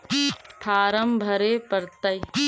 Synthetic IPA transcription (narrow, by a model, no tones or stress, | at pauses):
pʰaːɾəmbʱɐɾeːpəɾt̪ɐj